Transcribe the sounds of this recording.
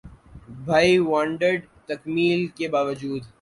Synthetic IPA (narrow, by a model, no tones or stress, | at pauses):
bʱaːiʋãːɳɖəɾɖ | t̪ɐkmiːlkebaːʋəd͡ʒuːd̪